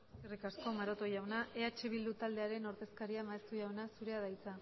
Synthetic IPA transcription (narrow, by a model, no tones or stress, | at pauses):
erikasko̞maɾo̞t̪o̞ʝawnaʔe̞at͡ʃe̞β̞ild̪ut̪ald̪e̞aɾe̞no̞ɾðe̞skaɾiamaest̪uʝawnasuɾe̞að̞ajt͡sa